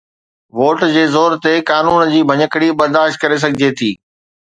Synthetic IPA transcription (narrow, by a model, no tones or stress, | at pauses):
ʋoːʈd͡ʑeːzoːɾt̪ekaːnuːnd͡ʑiːbʱɐɲəkɽiɓɐɾd̪aːʃt̪̚kɐɾes̬ɐɡʱɪd͡ʑet̪ʰiː